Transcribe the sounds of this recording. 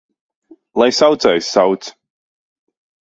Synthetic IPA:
lˠajsawt̪sajsːawt̪s

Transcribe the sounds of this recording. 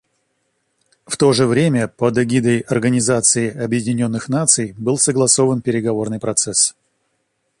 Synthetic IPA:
ft̪o̞ʐɨvɾʲemʲəpəd̪ɐɡʲid̪əjɐrɡənʲɪzat̪sɨɪɐbjɪdʲɪnʲo̞nːɨxnat̪sɨjbɨlˠsəɡlˠɐsovənpʲɪɾʲɪɡɐvo̞rnɨjpɾɐt̪sɛs

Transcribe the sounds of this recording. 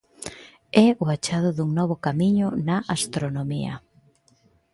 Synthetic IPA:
ɛʊat͡ʃaðʊðuŋnɔβ̞ʊkamiɲʊnaʔast̪ɾonomḭɐ̰

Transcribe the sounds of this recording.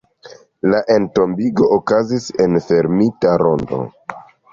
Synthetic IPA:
laʔe̞nto̞mbiɡo̞ʔokazise̞nfe̞ɾmitaɾondo̞̰

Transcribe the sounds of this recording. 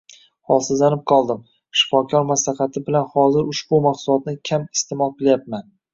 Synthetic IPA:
hɒlˠsɪzlanɪp̚qʰɒlˠd̪ɪm | ʃɪ̥fɒkʰɒɾmaslaχɑt̪ʰɪbɪlanhɒzɪɾʊʃbʊmaqsʊlˠɒt̪̚nɪkʲʰamɪ̥st̪ʰɪmɒlˠqʰɨlˠjap̚man

